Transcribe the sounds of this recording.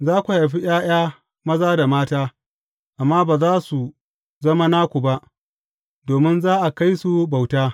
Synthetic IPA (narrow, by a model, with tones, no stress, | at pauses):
zaː˦kʷu˨ha˨jɸi˦j̰aː˦j̰aː˦ | mɐ˦zaː˦da˨maː˦taː˦ | ʔa˨mːaː˦baː˨zaː˦su˨ | zɐ˦ma˦naː˦kʷu˨ba˦ʔ | doː˨mɪ˦nzaː˦ʔa˨ka˦jsu˨ba˨wtaː˦